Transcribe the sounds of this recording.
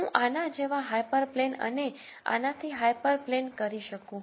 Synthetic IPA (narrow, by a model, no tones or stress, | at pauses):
ũʔanad͡ʒeʋaɦajpəɾplenə̰ne | a̰nat̪ʰiɦajpəɾplenkəɾiʃəkũ